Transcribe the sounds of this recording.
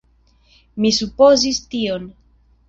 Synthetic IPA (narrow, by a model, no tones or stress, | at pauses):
misupo̞zistio̞n